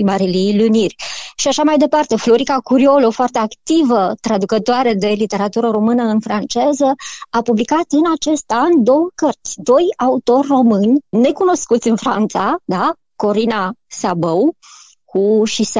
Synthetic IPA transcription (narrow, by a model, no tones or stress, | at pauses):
maɾililunirʲʃiaʃamajd̪e̞part̪e̞flo̞ɾikakuɾio̞lofoart̪e̞akt̪ivət̪ɾad̪ukət̪oaɾe̞d̪e̞lit̪e̞ɾat̪uɾəɾo̞mɨnəɨnfɾant͡ʃe̞zəapublikat̪ɨnat͡ʃe̞st̪and̪o̞wəkərt̪sʲd̪o̞jaut̪o̞rʲːo̞mɨnʲne̞kuno̞skut̪sʲɨnfɾa̰nt̪sad̪a | ko̞ɾinasabəw | kʰuʃis